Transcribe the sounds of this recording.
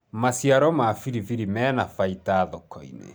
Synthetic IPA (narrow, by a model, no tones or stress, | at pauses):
masiaɾɔmaːfiɾiviɾimɛnafaitaːðɔkɔḭnḛ